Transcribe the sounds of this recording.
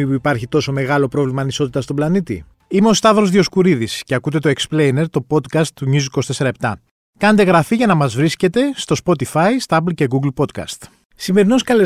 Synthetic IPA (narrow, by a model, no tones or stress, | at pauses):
ipuipɐɾçit̪o̞so̞me̞ɣɐlo̞pɾo̞vlimɐniso̞t̪it̪ɐst̪o̞blɐnit̪ḭ | ime̞o̞st̪ɐðɾo̞zðio̞skuɾiðisce̞ɐkut̪e̞t̪o̞eksple̞jne̞ɾt̪o̞po̞d̪kɐst̪ːuɲiziko̞st̪ese̞ɾɐe̞p̚t̪ɐ | kɐnet̪e̞ɣɾɐfiʝɐnɐmɐzvɾisce̞t̪e̞st̪o̞spo̞t̪ifɐist̪oɐplce̞ɣuɡlpo̞d̪kɐ̰st̪ | sime̞ɾino̞skɐle